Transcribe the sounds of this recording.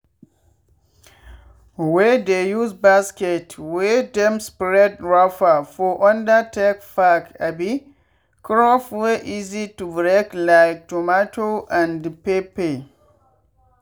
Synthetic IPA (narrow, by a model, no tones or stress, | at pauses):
wɛdejuzbaskɛtʰwɛdɛ̃mspɾɛdɹafafɔʔɔ̃ndətekfakabi | kɹɔfwɛʔizitubɹɛklaɪk̚tomatʰoʔãndpepe